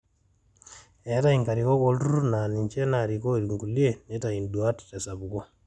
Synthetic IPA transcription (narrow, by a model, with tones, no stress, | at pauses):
ɛ˦ta˦iŋka˨ɾikɔ˦kɔltu˦ɾu˦na˨ni˨ɲt͡ʃɛ˦na˨ɾi˨kɔ˦˨ɾiŋɡu˨lje˨nɛ˦ta˨i˨ndu˨a˦ttɛ˨sa˨bu˨kɔ˦